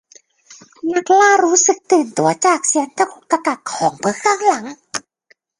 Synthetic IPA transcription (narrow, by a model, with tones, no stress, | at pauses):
na˧˥t̚laː˥˩ɾuː˦˥sɯ˨˩k̚t̪ɯː˨˩nt̪u˨˩˦ɐt͡ɕaː˨˩k̚si˨˩˦nt̪ʰa˧˥˩kʰo˧˥˩kːa˧ka˨˩t̚kʰːɔː˨˩˦ŋpʰɯː˨˧˦kʰaː˧˩ŋla˩˦ŋ